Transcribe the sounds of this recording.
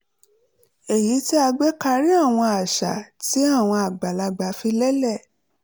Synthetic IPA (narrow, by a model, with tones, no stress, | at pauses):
e˨ji˨˦ti˦a˧ɡ͡bɛ˦ka˧ɾi˦a˦˨w̃ɔ̃˧a˨ʃa̰˨ti˨˦a˦˨w̃ɔ̃˧a˨ɡ͡ba˨la˧ɡ͡ba˨˦fi˧lɛ˦lɛ˦˨